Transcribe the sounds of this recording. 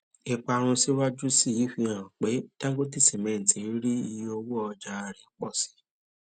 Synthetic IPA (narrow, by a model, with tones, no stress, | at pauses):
i˧k͡pa˧ɾ̃ũ˧si˦wa˦d͡ʒu˦si˦˨ji˨˦fi˧ã˨k͡pe˨˦d̥ã˦ɡo˦ti˦˨si˨mɛ̃˨n̩˨tĩ˨˦ɾi˦i˧jo˧wu˦ɔ˧d͡ʒa˧ɾi˨˦k͡pɔ˦˨si̥˧˦